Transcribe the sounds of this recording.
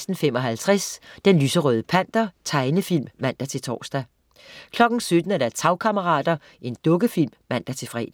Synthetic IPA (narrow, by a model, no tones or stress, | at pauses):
sd̥n̩fem̰ɒ̽ɦælt͡sʰʁasd̥enlyːsəʁœːð̞ˠəpʰæn̰d̥ɐt͡sʰɑ̈ɪnəfil̰mːæn̰d̥æt͡sʰe̝lt͡sʰɒ̰ːsd̥æ | kʰlɒ̽ɡ̥n̩sød̥n̩æɐd̥æɐst͡sʰɑ̈ʊkʰæməʁɑ̰̈ːd̥ɐ | ʔe̝nd̥ɔ̽ɡ̥əfil̰mːæn̰d̥æt͡sʰe̝lfʁɛ̰ːd̥